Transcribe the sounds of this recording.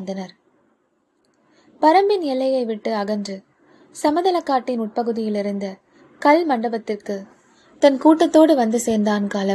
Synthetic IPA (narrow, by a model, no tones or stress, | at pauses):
nd̪ɐnɐɾ | pɐɾɐmbɪnɛlːɐjɐɪʋɪʈːɯɐɣɐndrɯ | sɐmɐðɐlɐkːaːʈːɪnʊʈ̚pɐɣɯðɪjɪlɪɾɯnd̪ɐ | kɐlmɐɳɖɐbɐt̪ːɪrkɯ | t̪ɐnkuːʈːɐt̪ːoːɽɯʋɐnd̪ɯseːɾnd̪aːnkaːlɐ